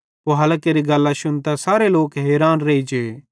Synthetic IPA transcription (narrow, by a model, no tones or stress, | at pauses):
oɦɐlkeɾiɡɐlːaʃʊnt̪asaːɾeloːkɦeːɾaːnɾɐid͡ʒeː